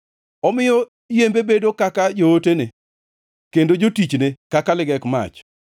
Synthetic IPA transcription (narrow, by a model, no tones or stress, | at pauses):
ɔmɪjɔ | ijembebedokakad͡ʒootene | kendod͡ʒotit͡ʃnekakalɪɡɛkma̰t͡ʃ